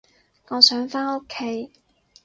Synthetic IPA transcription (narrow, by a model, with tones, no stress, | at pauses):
ŋɔː˨˧sœː˨˥ŋfaː˥no˥kʰːe˨˥j